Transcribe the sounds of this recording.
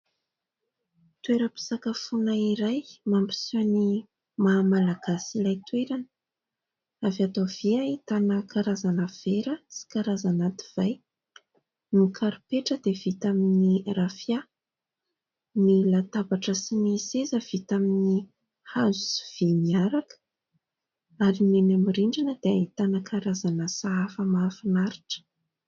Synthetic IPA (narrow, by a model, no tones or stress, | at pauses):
t̪weɾəpi̥sakafunaiɾajmampi̥siani | mamalaɡ̥asilajt̪weɾanə | avat̪ov̥iait̪anəkaɾazanəv̥eɾəsi̥kaɾazanat̪i̥v̥aj | nikʰaɾupeʈ͡ʂəd̪ev̥it̪aminirafja | milat̪abaʈ͡ʂəsinisezəv̥it̪amini | hazusi̥v̥iniaɾakə̥ | aɾimenamiriɳɖ͡ʐanəd̪̥eait̪anəkʰaɾazanəsaafəmafinaɾiʈ͡ʂə̥